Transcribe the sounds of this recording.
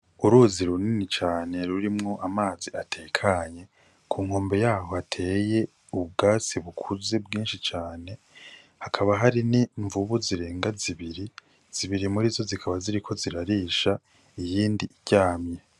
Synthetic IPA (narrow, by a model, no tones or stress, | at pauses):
uɾuziɾuninit͡ʃaːne̞ɾuɾimŋo̞ʔamaːziatʰeːkʰaɲe̞ | kʰuːŋ̥ho̞ːmbe̞jaːho̞atʰe̞je̞ | uβɡaːsiβukʰuze̞bɡiːnʃit͡ʃaːne̞ | hakʰaβaɦaɾiniɱvuβuziɾe̞ːŋɡaziβiɾi | z̥iβiɾimuɾizo̞zikʰaβaziɾikʰo̞ziɾaɾiːʃa | ijiːndiiɟaːmɲe